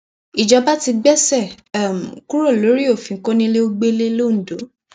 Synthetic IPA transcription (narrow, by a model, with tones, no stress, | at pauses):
i˨d͡ʒɔ˧ba˦ti˧ɡ͡bɛ˦˨sɛ˦˨ | m̩˨ku˦ɾo˦˨lo˨˦ɾi˦o˦˨fĩ˨ŋ̩˦ko˦nĩ˦le˦o˧ɡ͡be˦le˦lo˦˨n̩˨do˨˦